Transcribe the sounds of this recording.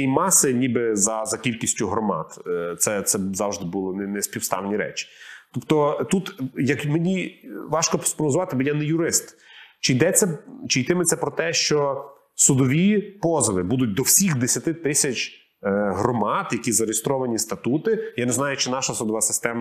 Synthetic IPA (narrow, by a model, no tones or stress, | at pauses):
imɑsɪnʲibɪzɐzɐkʲilʲkʲisʲtʲʊɦɾɔmɑ̰t̪t̪sɛt̪sɛzɑwʒd̪ɪbulˠɔnɛnɛsʲpʲiwst̪ɑ̰wnʲiɾɛ̰t͡ʃi̥t̪ɔpt̪ɔt̪ut̪jɐkmenʲiʋɑʃkɔpspɾɔʋɔzʊʋɑt̪ɪbjanɛjʊɾɪst̪t͡ʃɪjd̪ɛt͡sʲɐt͡ʃɪjt̪ɪmɪt̪sʲɛpɾɔt̪ɛʃt͡ʃɔ | sʊd̪ɔʋʲipɔzɐʋɪbud̪ʊt̚ʲd̪ɔwsʲixd̪esʲɐt̪ɪt̪ɪsʲɐt͡ʃʲ | ɦɾɔmɑt̪jɐkʲizɐɾjɪst̪ɾɔʋɐnʲist̪ɐt̪ut̪ɪjanɛznɑjʊt͡ʃɪnɑʃɐsʊd̪ɔʋasɪ̥st̪ɛmɐ